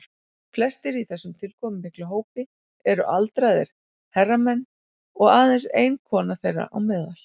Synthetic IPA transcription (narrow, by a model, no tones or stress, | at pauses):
flɛst̪ɪɾiθɛsːʏmt̪ʰɪlkʰɔːmʏmɪklaɦoːwpɪ | ɛɾʏʔalt̪ɾajðɪ̰ɾ̥ | hɛrːamɛnː | ɔɣaːðɛnseːjnkʰɔːnaθejrːa̰ʔawmɪːðal̥